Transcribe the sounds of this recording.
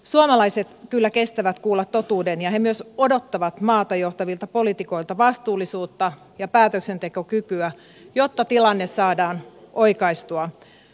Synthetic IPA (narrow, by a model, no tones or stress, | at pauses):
suomɑlɑise̞t̪kylːæke̞st̪æʋæt̪kuːlːɑt̪t̪ːo̞t̪uːdenjɑhemyøsodo̞t̪ːɑʋɑt̪mɑːt̪ɑjo̞ht̪ɑʋilt̪ɑpo̞lit̪iko̞ilt̪ɑʋɑst̪uːlːˑisuːt̪ːɑ | jɑpæːt̪økse̞nt̪e̞ko̞kykyæ | jot̪ːɑt̪ilɑnːessɑːdɑːnʔo̞ikɑist̪uɑ